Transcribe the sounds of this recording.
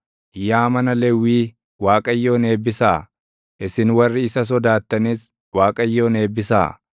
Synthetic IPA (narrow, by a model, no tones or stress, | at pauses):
ʔɪjːaːmɐnɐlɛwːiː | waːkʼɐjːo̞ːne̞ːbːɪsaː | ʔɪsɪnwɐrːɪɪsɐs̬ɔd̪aːt̪ːɐnis | waːkʼɐjːo̞ːne̞ːbːɪsa̰ː